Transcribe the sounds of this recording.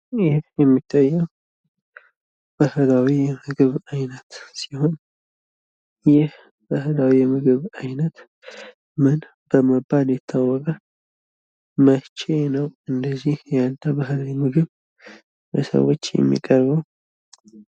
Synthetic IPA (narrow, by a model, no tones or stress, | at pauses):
ɛjɛmːit̪ʰːajːɛw | b̥əhlawijɛmɨɡɨβajnət̪siho̞n | jɪh | b̥əɦlawijɛmɨɡɨβajnət̪ | mɨn | b̥əməbːaljɛt̪ʰːawːɔkʼə | mət͡ʃenəwɨnd̪əzːihjanːabaɦlawimɨɡɨβ | sə̰wːot͡ʃːjɛ̰mːḭkʼəɾβəw